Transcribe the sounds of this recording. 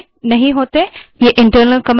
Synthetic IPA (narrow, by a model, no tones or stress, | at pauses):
nɐɦĩɦoːt̪ejeʔɪɳʈəɾnəlkɐm